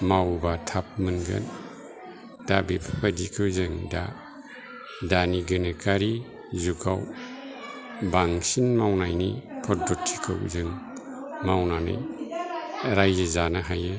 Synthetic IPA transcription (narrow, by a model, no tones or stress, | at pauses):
mawbatʰap̚mɯnɡɯ̰n | d̥abipʰḁpʰadikʰɯwzɯŋda̰ | daniɡɯnɯkʰaɾi | zuɡaw | baŋsinmawnajnipʰɔt̚dɔtʰːi̥kʰɯ̰wzɯŋ | mawnanɯ̰j | ɾajzizanaɦaje